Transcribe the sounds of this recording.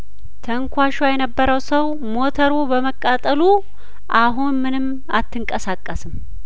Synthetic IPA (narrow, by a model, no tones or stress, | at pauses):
t̪ʰəŋkʷʰaʃajɛnəbːəɾəwsəw | mo̞t̪ʰəɾubəməkʼːat̪ʼəlu | ʔaɦunmɨnɨm | a̰t̪ʰːɨŋkʼəsakʼːəsɨm